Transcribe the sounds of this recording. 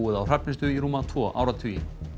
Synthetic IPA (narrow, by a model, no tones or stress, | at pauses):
wɪðawr̥ɾɛpnɪst̪ʏiɾuːmat̪ʰvɔːʔa̰ːwɾat̪ʰiːɪ̰n